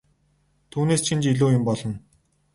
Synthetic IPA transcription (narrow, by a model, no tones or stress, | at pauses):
t̪ʰuːneːst͡ɕʰint͡ɕiɮoːjʊmpɔɮɞ̆n